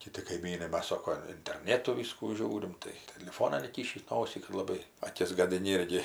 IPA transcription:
kʲɪˈtʲɪ kɐɪˈmʲiːnɐɪ ˈmɐs ˈsoːkoː ɪnʲtʲɛrʲˈnʲeːtʊ ˈʋʲiːskuː ˈʒʲuːrʲɪm tɐɪ tʲɛlʲɪˈfoːnɐn iːˈkʲiːʃʲiːs ˈnoːsʲiː kɐt lˠɐˈbɐɪ ɐˈkʲɪs ɡɐdʲɪˈnʲɪ ˈɪrʲɡʲɪ

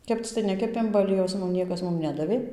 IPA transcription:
ˈkʲɛpt͡s tɐɪ ˈnʲæːkʲɛpʲeːm bɐ ɐˈlʲiɛjɛʊs ˈmʊm ˈnʲiɛkɐs ˈmʊm ˈnʲæːdɐʋʲeː

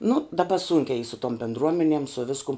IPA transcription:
nʊ dɐˈbɐ ˈsuːŋʲkʲɛ iː sʊ toːm bʲɛndˈruɔmʲɛnʲɛm sʊ ˈʋʲɪskʊm

